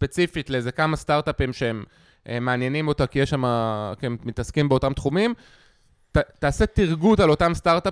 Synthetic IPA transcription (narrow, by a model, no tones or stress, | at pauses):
spe̞t͡sifitleeze̞kamast̪aʁt̪apimʃeem | ʔemaːnje̞nimo̞takijeʃamakiemmit̪ɐskimbeotamt̪χumim | tataːse̞tiʁɡutalo̞tamstaʁt̪a